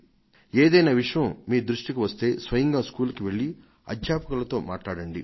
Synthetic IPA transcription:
eːd̪ɐjnaːʋiʂɐjɐmmiːd̪ɾuʂʈikiʋɐst̪e̞ːsʋɐjɐŋɡaːskuːlkiʋe̞ɭːi | ɐ̰d̪ʱjaːpɐkulɐt̪o̞ːma̰ːʈlaːɽɐɳɖi

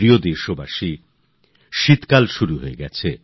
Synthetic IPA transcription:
ɾiod̪eɾʃobaʃi | ʃit̪kalʃuɾuɦoeɡɛt͡ɕʰe

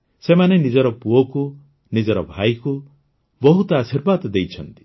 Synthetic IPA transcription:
semanenid͡ʒɔɾɔpuɔku | nid͡ʒɔɾɔbʱajku | bɔɦut̪ɔasiɾbad̪ɔd̪ejt͡ʃʰɔnt̪i̥

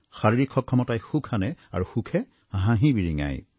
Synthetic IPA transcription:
xaɹiɹikʰːɔkʰːɔmɔtajxukʰanɛa̰ɹuxukʰɛ | ɦãɦibiɹiŋa̰j

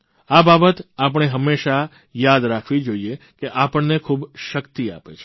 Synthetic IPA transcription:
ababət̪ap̬əɳ̃eɦəmːeʃa | jad̪ɾakʰʋid͡ʒoie | keʔapəɳnekʰuːbʃəkt̪ia̰pet͡ʃʰe

